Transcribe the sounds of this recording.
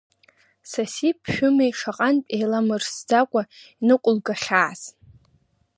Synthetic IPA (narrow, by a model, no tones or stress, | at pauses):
sasipʰʃᶣʊmejʂaqʼanpʼejlamɨrsd͡zakʷʼainɨkʷʼʊlɡaχʲaːz